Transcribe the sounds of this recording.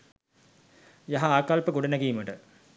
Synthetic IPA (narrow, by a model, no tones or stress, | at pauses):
jaɦaaːkalpəɡuɖɐnɐɡijməʈə